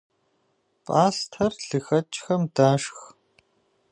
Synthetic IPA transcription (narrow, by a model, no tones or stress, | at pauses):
pʼaːstʰɐrɬɨxɐt͡ʃʼxɐmdaːʂx